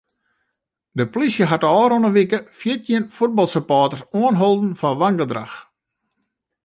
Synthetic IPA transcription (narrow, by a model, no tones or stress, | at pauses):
dəpolisjəɦatəɔːɾonəʋikəfjitʰjiənfut̚bɑlˠsəpaːtərsoənɦolˠdn̩fanʋaŋɡədra̰x